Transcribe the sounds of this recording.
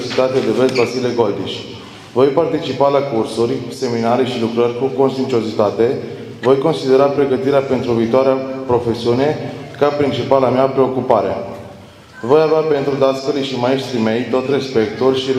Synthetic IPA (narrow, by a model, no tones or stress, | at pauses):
zit̪at̪ed̪evesvasileɡo̞ld̪iʃʲ | vo̞jpart̪it͡ʃipalakursurʲse̞minaɾe̞ʃilukɾərʲkuko̞nsint͡ʃio̞zit̪at̪e̞ | vo̞jko̞nsid̪e̞ɾapɾe̞ɡət̪iɾeape̞nt̪ɾuviːt̪oaɾeapɾo̞fe̞siune̞kapɾint͡ʃipalamiapɾe̞o̞kupaɾḛ | vo̞javeape̞nt̪ɾud̪at̪skəliʃimaeʃt̪ɾime̞jt̪o̞t̪ʲre̞spe̞kt̪urʲʃi